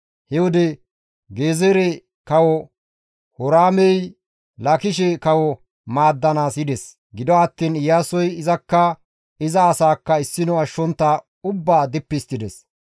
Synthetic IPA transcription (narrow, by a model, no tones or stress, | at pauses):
hɛwɔd̪ɛ | ɡeːzeɾɛ | kɐwɔ | hɔɾaːmɛj | lɐkɪʃɛkɐwɔ | maːd̪ːɐnaːsɪd̪ɛs | ɡɪd̪ɔɐt̪ːiːnɪjaːsɔjɪzɐkːɐ | ɪzɐːsaːkːɐɪsːɪnɔɐʃːɔnt̪ːɐ | ʊbːaːd̪ɪpːɪst̪ːɪd̪ɛs